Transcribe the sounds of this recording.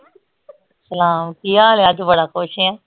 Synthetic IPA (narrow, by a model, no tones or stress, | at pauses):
səlaːmkijaːleəd͡ʒbəɽaːkoːʃɛ̃ː